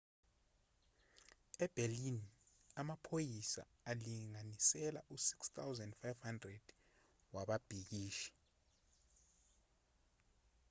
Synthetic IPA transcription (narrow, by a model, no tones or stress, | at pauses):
ɛb̥ʱelini | amapʰojisa̰ | aliŋanisɛla̰ʔusi̥kst̪ʰawzɛndfajvhandrɛd̥ | waɓab̥ʱik̬iːʃi̥